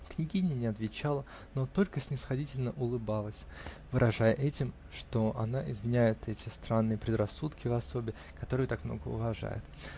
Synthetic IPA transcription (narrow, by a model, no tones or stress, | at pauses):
knʲɪɡʲinʲɪənʲɪɐt̪vʲɪt͡ɕalˠə | not̪o̞lʲkəsʲnʲɪsxɐdʲitʲɪlʲnəʔʊlˠɨbalˠəsʲ | vɨɾʔɐʐajəʔɛtʲɪm | ʂt̪o̞ʔɐnaʔɪzmʲɪnʲæjɪt̪ʰɛtʲɪst̪ɾanːɨjəpɾʲɪd̪rɐsːut̪kʲɪvɐso̞bʲɪ | kɐt̪o̞ɾɨjət̪akmnoɡəʊ̰vɐʐa̰jɪ̰t̪